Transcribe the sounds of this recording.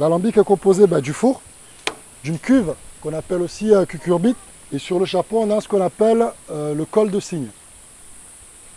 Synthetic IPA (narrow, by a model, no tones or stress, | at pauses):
lalɑ̃bikɛkɔ̃pozebɛd̪yfuʁ | d̪ynkʲyvkɔ̃napɛlosiøkʲykʲyʁbit | esyʁləʃaʁpɔ̃ɔ̃nãsə̥kɔ̃napɛløləkɔld̪əsiɲ